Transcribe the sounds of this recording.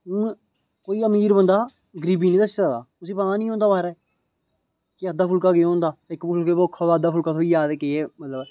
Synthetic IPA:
ũː | koːiːəmiːɾbənd̪aː | ɡəɾiːbiːnĩːd̪əsaːd̪a̰ːʊsĩːpãːaːnĩːɦõːnd̪aːbaːɾɛː | kɪad̪aːpʰʊlkaːɡɪ̃oːnd̪aːɪkpʊlkeːboːkʰːoːd̪aːd̪aːpʰʊlkaːt̪ʰoiːjaːd̪ekeeːmət̪ləb

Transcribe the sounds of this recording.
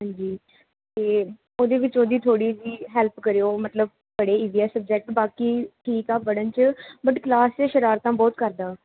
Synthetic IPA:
ɦãːnd͡ʒiː | t̪eː | oːd̪eːʋɪt͡ʃoːd̪iːt̪ʰoːɽiːd͡ʒiːɦɛlpkəɾejoːmət̪ləb̚ | bəɽeːiːziaːsəb̚d͡ʒɛk̚ʈbaːkiːʈʰiːkaːbəɽənt͡ʃəbəʈklaːst͡ʃeːʃəɾaːɾt̪ãːbɔːt̪kəɾd̪aː

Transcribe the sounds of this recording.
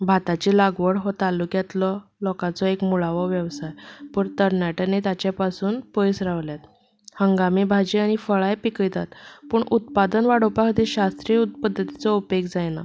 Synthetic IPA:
bʱat̪at͡ɕiːlaɡʋəɽɦɔt̪alukjat̪lɔlɔkat͡sɔekmuɭaʋɔʋjəʋsajpəːɾt̪əɾnjaʈənet̪at͡ɕapasuːnpəjsɾaʋljat̪ | həŋɡamiːbʱad͡ʑiaɽ̃ifəɭajpikəjt̪at̪puːɳut̪̚pad̪ənʋaɽopakd̪iɕast̪ɾijəut̪̚pəd̪ʱːət̪i̥t͡sɔupekd͡zajna̰

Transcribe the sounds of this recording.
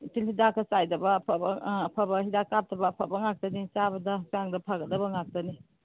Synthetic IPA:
tilhidakʰɐsajdɐbɐːpʰɐbɐːpʰabɐhidakap̚tɐbɐːpʰabɐŋak̚tɐnit͡ʃabɐdɐsaŋdɐpʰaɡɐdɐbɐŋak̚tɐni

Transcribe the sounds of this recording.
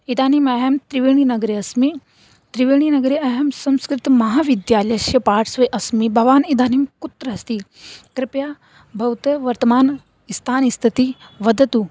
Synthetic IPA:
id̪aːnimɐɦɐmt̪ɾiʋeːɳ̃inɐɡɾeɐsmi | t̪ɾiʋeːɳ̃inɐɡɾeʔɐɦɐmsɐ̃mskɾɪt̪mɐɦaːʋid̪jaːlɐʃjɐpaːʈʰsʋɐjʔɐsmibʱɐʋaːnid̪ʱaːnimkut̪ɾɐɐst̪ikɾɪpjaː | bʱɐwt̪ɐʋɐɾt̪ɐmaːn | ist̪ʰaːnist̪ʰit̪iʋɐd̪ʱɐt̪u

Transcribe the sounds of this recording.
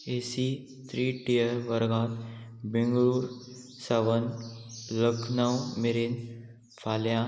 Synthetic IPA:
eːsi | t̪ʰɾiːʈiəɾʋəɾɡãːt̪bɪ̃ŋɡɭuːɾ | sɐʋənləkʰnawmeɾin | fʰaːljã

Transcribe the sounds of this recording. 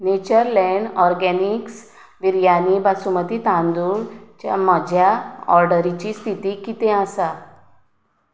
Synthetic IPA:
net͡ɕəɾlɛ̃ɳɖɔɾɡɛniks | ʋiɾjanibasumət̪iːt̪ãnd̪uɭt͡ɕja̰məd͡ʑʱjaɔɾɖəɾit͡ɕist̪ʰit̪ikit̪ẽasa

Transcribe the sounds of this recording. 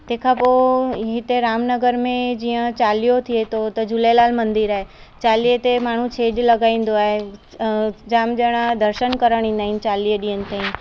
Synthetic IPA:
t̪ẽɦkʰapoɦit̪eɾaːmnəɡəɾmẽd͡ʑiːə̃t͡ɕaːlijot̪ʰiet̪ʰot̪ɐd͡ʑulelaːlmɐ̃nd̪iɾaːɦe | t͡ɕaːliət̪emaːɳ̤ũt͡ɕʰeːd͡ʒlɐɡaːĩːn̆d̪oaːɦe | d͡ʑaːmd͡ʑɐɽ̃ad̪əɾʃənkɐɾəɽ̃ĩːn̆d̪aːɦɪnɪt͡ɕaːliəɗĩːənɪ̆t̪ein

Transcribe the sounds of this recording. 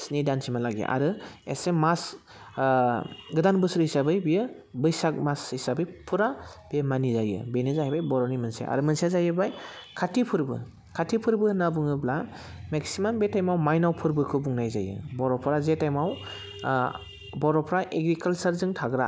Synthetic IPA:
snidansʰimalaɡḛʔa̰ɾɯḛsemas | ɡɯdanbɯsɾhisabɯjbijɯ | bɯjsak̚mashisabɯjpʰuɾab̥jmanizajɯ̰benizaɦabajbɔɾɔnimɯnsḛʔa̰ɾɯmɯnsezajɯbajkʰatʰipʰɯɾbɯ̰ | kʰatʰːipʰɯɾbɯnabuŋɯbla | meksimambetajmawmajnawpʰɯɾbɯkʰɯbuŋnajza̰jɯ̰bɔɾɔpʰɾazetajmaw | bɔɾɔpʰɾaʔeɡɾikalsaɾzɯŋtʰaɡɾa̰

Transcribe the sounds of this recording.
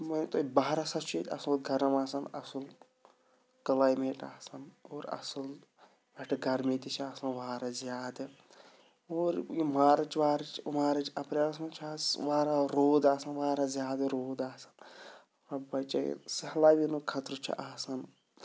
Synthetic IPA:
mɐnt̪obaɦɾasɐt͡ʃʰeːt̪ʲɐ̰sɨlɡʱɐɾɐmaːsɐnɐsɨl | kɐlaːjmeːʈa̰ːsɐnoːɾɐ̰sɐl | ɐʈʰɡɐɾmit̪it͡ʃʰaːsɐnʋaːɾazʲjaːd̪ɐ | oːɾjimaːɾɐt͡ʃʋaːɾɐt͡ʃmaːɾɐt͡ʃɐpɾeaːs̬ɐnt͡ʃʰaːsʋaːɾaɾoːd̪aːsɐnʋaːɾazjaːd̪ɾoːd̪aːsɐ̥nɐpɾɐbɐt͡ʃa̰sɐhlaːʋinukʰɐt̪ɾɨt͡ʃʰḭʔaːsɐn

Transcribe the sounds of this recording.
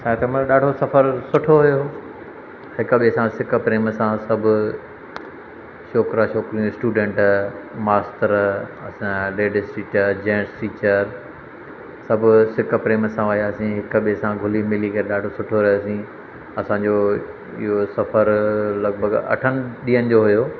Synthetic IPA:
sãːt̪eməɗaːɖʱosɐfəɾsʊʈʰoɦʊjo | hɪkɓisãsɪkəpɾeːmsãsɐbʱʊ | ʃoːkɾaʃoːkɾijũɪsʈuːɖẽːɳʈmaːsʈəɾɐsãleːɖɪsʈiːt͡ɕəɾd͡ʑẽːsʈiːt͡ɕəɾ | sɐbʱʊsɪk̆pɾeːmsãʋəɦijaːsĩɦɪkɓisãɡʱʊlimɪlikʰɐɾeɗaːɖʱosʊʈʰoɾɐjosĩ | ɐsãɲd͡ʑoː | ɪ̰ɦosɐfəɾlɐɡbʱəɡɐ̰ʈʰənɪ̆ɗiːənɪ̆d͡ʑoɦʊjoː

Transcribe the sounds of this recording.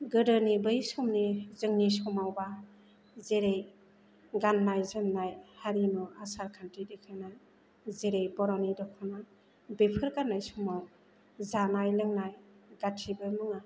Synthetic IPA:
ɡɯdɯnibɯjsɔmnizɯŋnisɔmawba | zeɾej | ɡanːajzɯnːajhaɾinɔasaɾkʰantidekʰɯna | zeɾejbɔɾɔnidɔkʰɔna | bepʰɯɾkanːajsɔmaw | zanajlɯŋnajɡatʰːibɯmɯŋa

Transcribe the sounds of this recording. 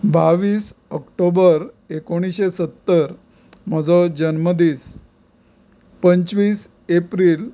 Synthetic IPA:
baʋiːsəkʈobəɾ | ekoɽ̃iɕesət̪ːəɾ | m̤əd͡zɔd͡ʑənməd̪iːs | pəɲt͡sʋiːs | epɾiːl

